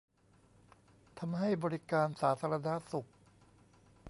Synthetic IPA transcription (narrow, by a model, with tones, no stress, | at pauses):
t̪ʰa˧mɦa˥˩jbɔː˧ɾi˦˥kaː˧nsaː˩˦t̪ʰaː˧ɾa˧na˦˥su˨˩k̚